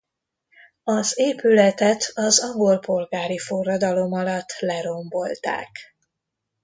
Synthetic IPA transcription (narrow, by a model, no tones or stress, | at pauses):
ɒzeːpylɛt̪ɛt̪ɒzɒŋɡolpo̞lɡaːɾifo̞rːɒd̪ɒlo̞mɒlɒt̪ːlɛɾo̞mbo̞lt̪a̰ːk